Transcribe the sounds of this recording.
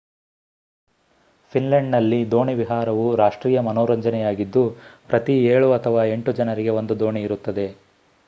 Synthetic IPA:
pʰinleɳɖnɐlːid̪o̞ːɳiʋiɦaːɾɐʋuɾaːʂʈɾiːjɐmɐnoːɾɐɲd͡ʒɐnɛjaːɡid̪ːupɾʔɐt̪ieːɭuɐt̪ʰɐʋaːe̞ɳʈud͡ʒɐnɐɾiɡe̞ʋo̞nd̪ud̪o̞ːɳiːɾut̪ːɐd̪e̞

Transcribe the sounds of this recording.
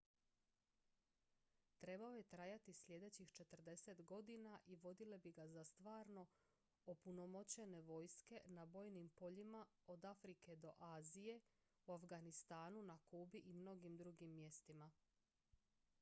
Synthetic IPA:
t̪ɾe̞baoje̞t̪ɾajat̪islʲje̞d̪e̞t͡ɕixt͡ʃe̞t̪ər̩d̪e̞se̞t̪ɡo̞d̪inaʔiʋo̞d̪ile̞biɡazast̪ʋaːɾno̞ | opunomo̞t͡ɕe̞ne̞ʋo̞jske̞nabo̞ːjnimpo̞ʎima | o̞d̪afɾike̞d̪o̞ʔaːzije̞ | uafɡanist̪aːnunakubiʔimno̞ɡimd̪ɾuɡimːje̞st̪ima

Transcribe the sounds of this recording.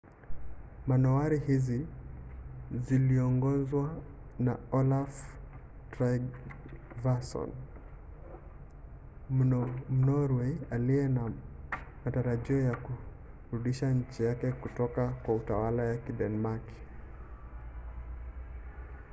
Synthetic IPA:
manɔaɾihizi | ziliɔŋɡɔzwanaɔlaf | tɾaɡ | vasɔ̰n | m̩nɔɾwɛaliɛna | mataɾaʄiɔjaku | ɾuɗiʃaɲ̩t͡ʃijakɛkutɔkakwautawalajakiɗɛnmak

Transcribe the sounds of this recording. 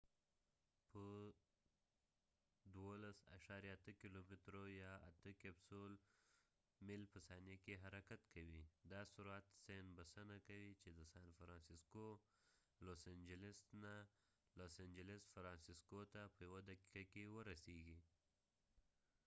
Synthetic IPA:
pə | d̪wolasa̰ʃaɾjat̪əkilomɪt̪ɾojaa̰t̪əkebsol | mɪlpəsɑnekeɦaɾakat̪kawid̪asuɾuat̪senbəsanakawit͡ʃed̪əsanfɾɑnsisko | losand͡ʒɪlɪsna | losand͡ʒɪlɪsfɾɑnsiskot̪apəjawad̪aki̥kakewəɾaseɡi

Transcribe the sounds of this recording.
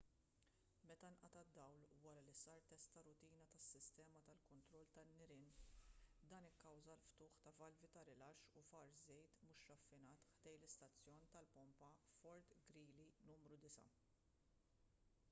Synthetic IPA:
mɛt̪ɐnʔɐt̪ɐd̪ːɐwlwɐɾɐlisɐːɾt̪ɛst̪ɐɾʊt̪iːnɐt̪ɐsːɪst̪ɛːmɐt̪ɐlkɔnt̪ɾɔlt̪ɐnːɪɾɪːn | d̪ɐːnɪkːɐwzɐlft̪ʊːħt̪ɐvɐlvit̪ɐɾɪlɐʃʊfɐɾzɛjt̪mʊʃɾɐfːɪnɐːt̪ħd̪ɛjlɪst̪ɐt͡sːjɔːnt̪ɐlpɔmpɐfɔɾt̪ɡɾiːlinuːmɾud̪ɪsɐ̰

